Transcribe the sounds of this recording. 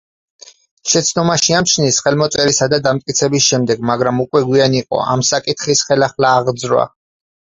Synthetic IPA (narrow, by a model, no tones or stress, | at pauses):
ʃɛt̪sʰnɔmaʃiamt͡ʃʰnisχɛlmɔt̪sʼɛɾisad̪ad̪amt̪̚ʼkʼit̪sʰɛbisʃɛmd̪ɛɡmaɡɾamukʼwɛɡwianiqʼɔ̰ʔa̰msakʼit̪ʰχisχɛlaχlaːʁd̪zɾwa̰